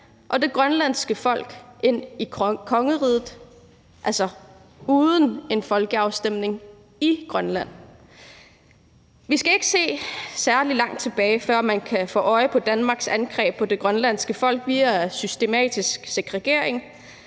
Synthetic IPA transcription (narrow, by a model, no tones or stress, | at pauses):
ʔɒ̽d̥e̝ɡ̥ʁɶnlæn̰sɡ̥əfɒ̽l̰ɡ̥ʔe̝n̰ikʰɒ̽ŋəʁiːðˠð̩ˠ | ʔælsɒ̽ | uːðˠəne̝nfɒ̽lɡ̥əɑ̈ʊsd̥em̰ne̝ŋ | iɡ̥ʁɶnlæn̰ | ʋisɡ̥æe̝ɡ̥əse̝̰ːsæɐlilɑ̈ŋ̰d̥̚t͡sʰe̝b̥ɛːɪfɶɐ̰mænkʰæfɔ̰ːɒ̽ɪpʰɒ̽d̥ænmɑ̈ːɡ̥sænɡ̥ʁɛ̰ːb̥̚pʰɒ̽d̥e̝ɡ̥ʁɶnlæn̰sɡ̥əfɒ̽l̰ɡ̥ʋiːæsysd̥e̝mɛ̰ːd̥isɡ̥se̝ɡ̥ʁɛɡ̥e̝ɐ̰e̝ŋ